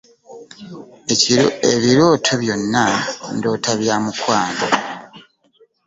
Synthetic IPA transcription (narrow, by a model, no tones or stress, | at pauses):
eβiɾoːtʰoβjo̞nːando̞ːtʰaβjaːmukwaːndo